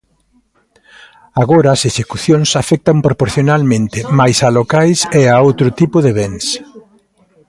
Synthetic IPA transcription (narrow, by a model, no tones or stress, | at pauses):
aɣoɾaːseʃekuθjoŋsafɛk̚t̪ɐmpɾopoɾθjonalmẽnt̪ɪmajsalokajseaowt̪ɾʊt̪ipʊðeβeŋs